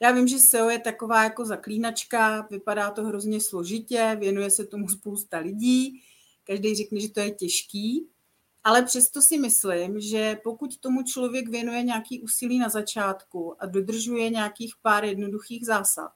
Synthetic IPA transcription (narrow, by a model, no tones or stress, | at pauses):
jaːvɪmʒɛsɛojɛt̪ako̞vaːjako̞zakliːnat͡ʃkavɪpadaːt̪o̞ɦɾo̞zɲɛslo̞ʒɪcɛvjɛnujɛsɛt̪o̞muspowst̪alɪɟiː | kaʒdɛjrɛknɛʒɛt̪o̞jɛcɛʃkiː | ʔalɛpr̝̥ɛst̪o̞sɪmɪslɪmʒɛpo̞kuct̪o̞mut͡ʃlo̞vjɛkvjɛnujɛɲɛakiːʔuːsɪliːnazat͡ʃaːt̪kuʔado̞d̪r̩ʒujɛɲaakiːxpaːɾjɛdno̞duxiːɣzaːsa̰t̪̚